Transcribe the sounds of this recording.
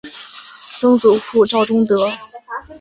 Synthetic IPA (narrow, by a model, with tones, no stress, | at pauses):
t͡sɤ˥ŋt͡su˨˩fʰu˥˧ʈ͡ʂɑ˥˩ʊʈ͡ʂʊ˥ŋt̪ɤ˧˥